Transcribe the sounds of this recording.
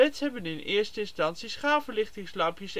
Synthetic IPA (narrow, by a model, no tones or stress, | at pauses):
ɛtsɦɛbənɪnʔɪːɹstəɪnstɑntsisχaːlvəlɪχtɪŋslɑmpjəs